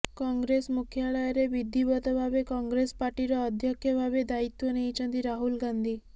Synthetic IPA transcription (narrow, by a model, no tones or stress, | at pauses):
kɔŋɡɾesmukʰjaɭajɔɾeʋid̪ʱːibɔt̪ɔbʱabekɔŋɡɾespaɾʈiɾɔːd̪ʱjɔkʰjəbʱabed̪ait̪wɔneit͡ʃʰə̃nt̪iɾaɦulɡand̪ʱi